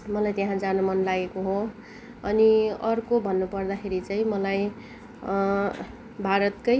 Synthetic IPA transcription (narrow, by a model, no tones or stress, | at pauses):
mʌlajt̪eɦãd͡zanumʌnlaɡekoɦo | ʌniʌrkobʱʌnːupʌrd̪axʰeɾit͡saĩmʌlaj | bʱaɾʌt̪kʌj